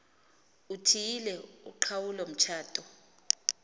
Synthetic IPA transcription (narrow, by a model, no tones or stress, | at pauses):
utʰijilɛṵǃʰawulom̩t͡ʃʰaːtʼɔ